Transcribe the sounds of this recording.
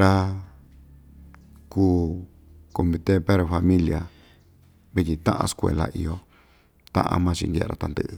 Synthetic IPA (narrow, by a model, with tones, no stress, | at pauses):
ɾa˦ | kuː˦ | ko˨mĩ˧t̪e˦pe˦ɾo˧fa˧mĩ˦lja˧ | βi˦tʲi˧t̪ã̰˦ʔã̰˧skʷḛ˧la̰˧ʔi˧o˦ | t̪ã̰˦ʔã̰˧mã˦˧t͡ʃḭ˧ndʲḛ˦˧ɾa̰˧t̪a˧nd̪ɨ˧˦ʔɨ˧